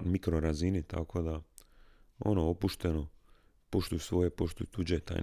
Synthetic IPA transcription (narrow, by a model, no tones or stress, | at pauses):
mikɾoɾazinit̪a̰ko̞d̪a | o̞̰noopuʃt̪e̞no̞ | po̞ʃt̪ujusʋo̞jepo̞ʃt̪ujut̪ud͡ʑet̪a̰